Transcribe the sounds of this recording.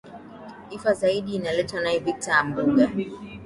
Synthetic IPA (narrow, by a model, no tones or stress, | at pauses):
ifazaiɗiːnalɛtanaivik̚taːm̩buɡa